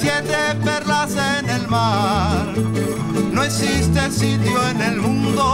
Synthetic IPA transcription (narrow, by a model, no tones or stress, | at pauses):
t̪jend̪eperlasenelmaɾ | no̞eksist̪esit̪joene̞lmũnd̪o